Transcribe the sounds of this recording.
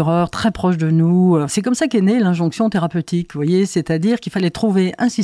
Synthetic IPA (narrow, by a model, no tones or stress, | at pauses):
ʁœʁt̪χɛpχɔʃd̪ənuøsɛkɔmsakɛnelɛ̃ʒɔ̃ksjɔ̃t̪eʁapøt̪ikvwajesɛt̪ad̪iːʁkilfalɛt̪χuveʔʔɛ̃si